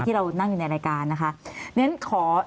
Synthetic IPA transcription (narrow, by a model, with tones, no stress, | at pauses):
t̪ʰiː˥˩ɾa˧wna˥˩ŋjuː˨˩na˧jɾaː˧jkaː˧nːa˦˥kʰa˦˥nɯ˧˦˥nkʰɔː˩˦